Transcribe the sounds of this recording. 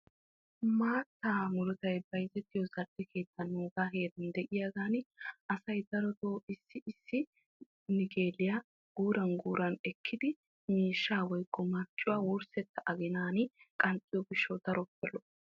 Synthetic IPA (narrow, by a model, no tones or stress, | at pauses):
maːt̪ːaːmʊlɔt̪ɐjbɐjzɛt̪ːɪjɔzɐdɪkʰe̞ːt̪ːɐnːuːɡaːɦe̞ːd̪ɐnd̪ɛʔɪjɐɡaːnɪʔɐsɐjd̪ɐɾɔt̪oːɪsːɪɪsːɪ | nɪɡe̞ːlːɪja | ɡ̥uːɾɐnɡuːɾɐnɛkʰːɪd̪ɪ | miːʃːaːwɔjkʼːɔmɐt͡ʃːʊwaːwʊɾsɛt̪ːɐʔɐɡɪnaːnɪkʼɐnt͡sʼːɪjɔɡɪʃːɔwd̪ɐɾɔpːɛlɔ